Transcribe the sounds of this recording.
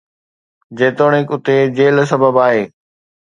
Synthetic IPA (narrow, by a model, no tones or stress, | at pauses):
d͡ʑeːt̪oːɽ̃ɪkʊt̪ed͡ʑeːls̬ɐbəbaːɦeː